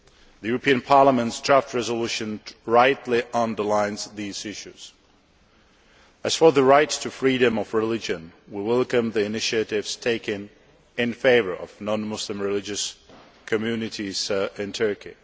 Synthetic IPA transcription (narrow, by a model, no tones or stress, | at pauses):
ðɨjʉɹəpʰĩɨ̃npʰɑɹləmə̃ntsd̥ɹæft̚ɹɛzəluʃɨ̃nɹaɪtˡliʔə̃ndə˞lãɪ̃nz̥ðiz̥ɪʃʉz̥ | ɨz̥fə˞ðəɹaɪtʰɨfɹiɾɨ̃mʌvɹɪlɪd͡ʒɨ̃nwiwɛlˠkɨ̃mðiɨnɪʃɨɾɪvz̥tʰeɪkɨ̃n | ɪ̃nfeɪvə̰˞ʔʌ̰vnɑ̃nmʊslɨ̃mɹɨlɪd͡ʒɨs | kʰɨmjʉnɨɾiz̥ɪ̃ntʰɜ˞kḭ